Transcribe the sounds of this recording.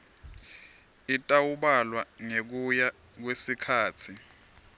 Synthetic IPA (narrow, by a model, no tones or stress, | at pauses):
itʼawuɓalwaŋek̬uja | k̬wesikʰaːt͡sʰi